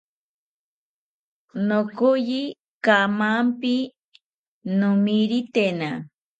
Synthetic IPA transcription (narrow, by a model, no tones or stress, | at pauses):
nokʊji | kamampi | nʊmiɾit̪ena